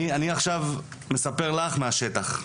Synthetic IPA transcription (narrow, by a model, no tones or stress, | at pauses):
ianiaχʃav | me̞sapeʁlaχmeaʃe̞t̪aχ